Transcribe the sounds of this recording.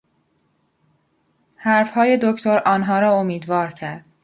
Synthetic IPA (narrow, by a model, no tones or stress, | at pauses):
hæɾfhɒːje̞d̪okʰt̪ʰoɾʔɒːnɦɒːɾɒːomiːd̪vɒːɾcʰæɾd̪̥